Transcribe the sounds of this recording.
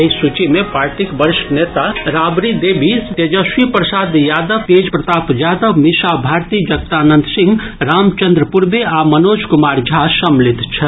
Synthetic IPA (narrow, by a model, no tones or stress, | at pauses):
isut͡ʃimepaɾʈikbəɾisʈnet̪aɾabɾid̪ebʱist̪ed͡ʒəsʋipɾəsad̪jad̪əʋked͡ʒpɾət̪apjad̪əʋmisabʱaɾt̪id͡ʒəɡ̚t̪anənd̪ʱsĩŋɡ | ɾamt͡ʃənd̪ɾəpuɾbeamənod͡ʒkumaɾd͡ʒʱasəmlit̪t͡ʃʰə